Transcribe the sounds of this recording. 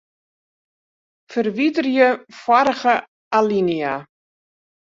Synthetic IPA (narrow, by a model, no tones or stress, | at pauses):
fərʋidərjəfwaɾəɣə | alinia